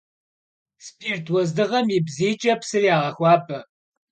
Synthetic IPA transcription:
spʰirtʰwɐzdɨʁɐmibziːt͡ʃʼɐpʰsɨriaːʁɐxʷɑːpʰʼɐ

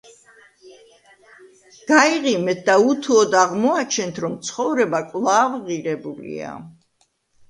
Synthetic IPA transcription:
ɡ̥aiʁimɛt̪̚d̪aut̪ʰuɔd̪aʁmɔat͡ʃʰɛnt̪ʰɾɔmt̪sʰχɔvɾɛbakʼlˠavʁiɾɛbulḭa̰

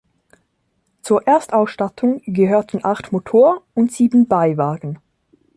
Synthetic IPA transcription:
t͡suːɐʔeːɐstʔaʊsʃtatʰʊŋɡəɦøːɐtn̩ʔaχtmotʰoːɐʊntz̥iːbn̩baɪvaːɡn̩

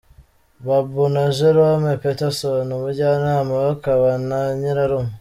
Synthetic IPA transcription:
βabunaʒeɾamepetesonoβuɟanaːmaβakaβanaɲiɾaɾomu

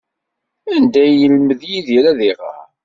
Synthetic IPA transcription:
ænd̪æjəlməðjiðiɾæðiʁə̰

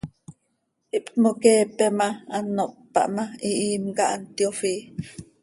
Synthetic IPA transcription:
ʔiʔpkmokeːpɛmaanːoʔpːɑ̰ʔmaiʔiːmkaʔant̪jofiː

